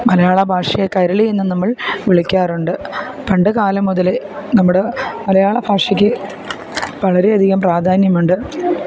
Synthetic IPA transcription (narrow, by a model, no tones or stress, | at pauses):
mɐlɐjaːɭɐbʱaːʂɐjɐkɐjɾɐɭienːɨnɐmːɐɭʋiɭikʲːaːruɳɖɨ | peɳɖɨkaːlɐmːuðɐle̞ | nɐmːuɽemɐlɐjaːɭɐbʱaːʂikʲːɨ | ʋɐɭɐɾe̞ɐd̪ʱiɣɐmpraːd̪ʱaːnjɐmuɳɖɨ